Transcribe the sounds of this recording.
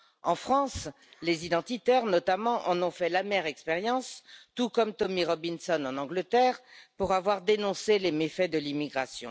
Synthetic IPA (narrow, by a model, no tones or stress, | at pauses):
ɑ̃fχɑ̃s | lezid̪ɑ̃t̪it̪ɛʁnɔt̪amɑ̃ʔɑ̃nɔ̃fɛlamɛʁɛkspeʁjɑ̃st̪ukɔmt̪ɔmiʁɔbinsɔnɑ̃nɑ̃ɡlət̪ɛʁpuʁavwaʁd̪enɔ̃selemefɛd̪əlimiɡʁasjɔ̰̃